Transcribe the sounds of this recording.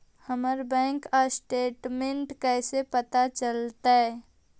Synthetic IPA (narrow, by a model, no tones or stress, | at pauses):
həməɾbɛ̃ːŋkasʈeːʈmẽɳʈkɛːsepət̪at͡ʃəlt̪aɦɛ